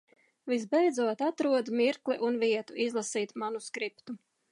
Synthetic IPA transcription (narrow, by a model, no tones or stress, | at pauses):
vizbɛjd̪zuɔt̪at̪ɾuɔd̪miɾkliʔunviɛt̪uʔizlˠasiːt̪manuskɾipt̪u